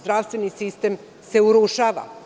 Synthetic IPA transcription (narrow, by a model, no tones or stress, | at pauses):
zd̪ɾaʋst̪ʋenisist̪em | se̞uɾuʃaːʋa̰